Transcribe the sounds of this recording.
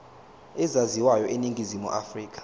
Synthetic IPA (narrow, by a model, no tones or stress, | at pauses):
ɛzaziwajɔʔeniŋɡʱizimṵʔa̰friːk̬ʰʼḁ